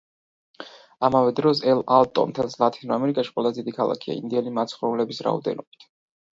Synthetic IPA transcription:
amavɛd̪ɾɔsɛlalˠt̪ʼɔ̰nt̪ʰanszlˠat̪ʰinɔamɛɾikʼaʃi̥qʼwɛlˠazd̪id̪ikʰalˠa̰kʰia̰ḭnd̪iɛnimat̪sʰχɾɔulɛbisɾa̰ɔ̰d̪ɛ̰nɔb̥i̥t̪ʰ

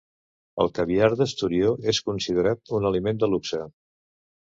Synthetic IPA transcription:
ə̰lˠkəβiaɾðəst̪uɾioeskunsiðəɾat̪unəlimend̪əluksa

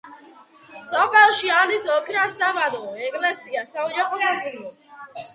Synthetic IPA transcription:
sɔpʰɛlˠʃianisɔkʰɾasamad̪ɔɛɡlɛsiasaud͡ʒaχɔsazinɔ

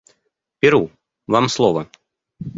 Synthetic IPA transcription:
pʲɪɾu | vamslˠɔvɐ

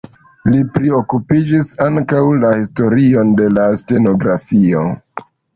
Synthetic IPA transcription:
lipɾio̞kupid͡ʒisaŋkawlahisto̞ɾio̞nde̞laste̞no̞ɡɾafio̞̰

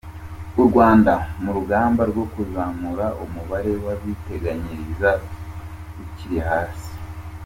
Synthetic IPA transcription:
uɾɡwaːndanuɾuɡaːmbaɾɡo̞kuzaːmuɾaumuβaɾe̞waβite̞ɡaɲiɾiza | ɡuciɾihaːsi̥

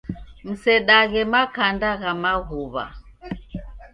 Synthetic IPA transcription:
m̩sɛɗaɣɛmakandaɣamaɣuβa̰

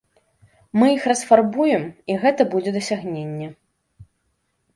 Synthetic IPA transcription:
mɨjixrɐsfarbujɛmiɣɛt̪ɐbud͡zʲɛd̪ɐsʲaɣnʲenʲːɛ

